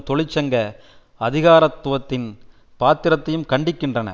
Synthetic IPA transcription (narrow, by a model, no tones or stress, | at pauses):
t̪ɔɭɪt͡ʃːɐŋɡɐ | ɐðɪɣaːɾɐt̪ːʊʋɐt̪ːɪn | paːt̪ːɪɾɐt̪ːɐjɯmkɐɳɖɪkːɪndrɐnɐ̰